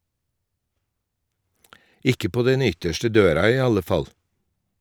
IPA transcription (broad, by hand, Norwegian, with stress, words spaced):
ˈɪkə ˈpoː ˈdɛn ˈʏtəʃʈə ˈdøːɾɑ ˈiː ˈɑlə ˈfɑl